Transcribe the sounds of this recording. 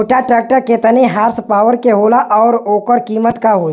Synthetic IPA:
ʈaʈɾeːk̚ʈəɾket̪ɐneɦaːɾspaːʋəɾkeɦoːlaʔɔːɾoːkəɾkiːmət̪kaɦoː

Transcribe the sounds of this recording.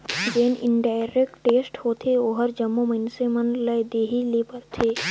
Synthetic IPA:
d͡ʒeːnɪ̰nɖaːɪɾeːkʈʈːeːsʈhoːt̪ʰeoɦəɾd͡ʒɐmːomɐɪnsemɐnləed̪eːɦilepəɾt̪ʰeː

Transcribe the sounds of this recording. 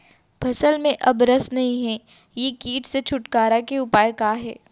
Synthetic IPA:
bʰʱɐsəlmẽʔɐbɾəsnɐɦĩɦɛː | jekiːʈset͡ʃʰʊʈkaːɾakeʊpaːjkaːɦɛ̰ː

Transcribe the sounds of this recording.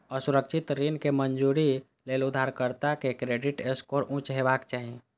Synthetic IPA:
əsʊɾəkʃʰɪt̪ɾinkemənd͡ʒuɾi | leːlʊd̪ʱːaːɾkəɾt̪akekɾeːɖɪʈeskoːɾʔũːt͡ʃɦeʋaːkt͡ʃaːɦĩ

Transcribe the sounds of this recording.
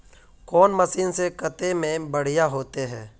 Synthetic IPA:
kɔːnməsiːnsekət̪emẽbəɽ̤ijaɦoːt̪eɦɛ̃ː

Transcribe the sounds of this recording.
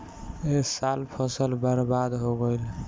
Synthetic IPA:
esalpʰɔsəlbəɾbad̪ɦoɡəjl

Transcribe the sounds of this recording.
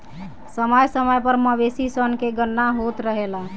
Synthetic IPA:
səməjsəməjpəɾməbesisənkeɡənːaɦot̪ɾəɦela

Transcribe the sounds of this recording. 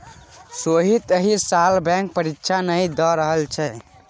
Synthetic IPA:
soɦit̪əɦisalbɛ̃ŋk̚pəɾikʃʰanəid̪ɔɾəɦəlt͡ʃʰɛ

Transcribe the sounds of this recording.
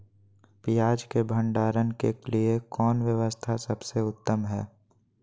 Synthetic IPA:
pijaːd͡ʒkebʱə̃ɳɖaːɾənkeliekɔːnʋjəʋəst̪ʰasɐbseʊt̪ːəmɦɛː

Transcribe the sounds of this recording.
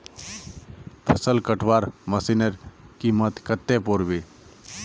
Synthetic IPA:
t̪ʰɐsəlkəʈʰʋaːɾməsinəɾkimət̪kət̪ːepoɾʋiː

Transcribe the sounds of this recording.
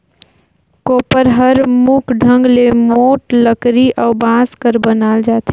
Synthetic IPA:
koːpəɾɦəɾmukʰɖʱə̃ŋɡlemoːʈləkɾiʔɔːʊbãskəɾbənaːld͡ʒaːt̪e

